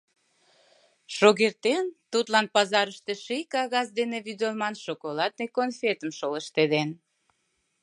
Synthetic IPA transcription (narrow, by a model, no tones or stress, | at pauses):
ʃoɣert̪ent̪ut̪lɑnpɑzɑɾəʃt̪eʃejkɑɣɑsd̪eneβyd̪olmɑnʃokolɑt̪̚nekonfet̪əmʃoləʃt̪ed̪en